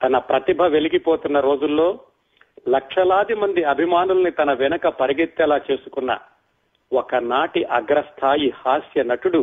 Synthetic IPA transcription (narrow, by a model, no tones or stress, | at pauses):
t̪ɐnɐpɾɐt̪ibʱɐʋe̞liɡipoːt̪unːɐɾo̞ːd͡ʒulːo̞ː | lɐkʂɐlaːd̪imɐnd̪iɐbʱimaːnulɐnit̪ɐnɐʋɛnɐkɐpɐɾiɡet̪ːɛlaːt͡ʃe̞ːsu̥kunːɐ̰ | wɔkɐnaːʈiʔɐɡɾɐst̪ʰaːjihaːsjɐnɐʈuɽu